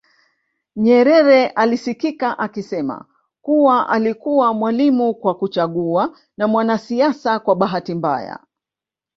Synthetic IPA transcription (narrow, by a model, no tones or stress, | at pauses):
ɲɛɾɛɾɛʔalisikikaʔakisɛma̰ | kuwaʔalikuwamwalimukwakut͡ʃaɠua | namwanasiasakwaɓaɦatimba̰ja̰